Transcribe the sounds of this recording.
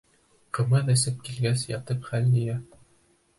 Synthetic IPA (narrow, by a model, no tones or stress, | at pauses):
qɤ̆mɤðɘ̆sɘp̚kilɡæsjɑt̪ɤpχælnɘ̆jæ